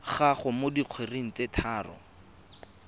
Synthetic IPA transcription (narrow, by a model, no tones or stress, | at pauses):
χaχʊmodiq͡χʰweriŋ̩t͡setʰaːrɔ̰